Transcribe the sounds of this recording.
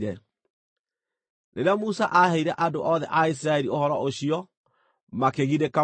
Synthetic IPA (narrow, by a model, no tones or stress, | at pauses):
ɾɛ | neɾeamusaʔahɛiɾɛʔadoʔɔðɛʔais̬ɾaɛɾiohɔɾɔoɕiɔ | makeɣiɾeka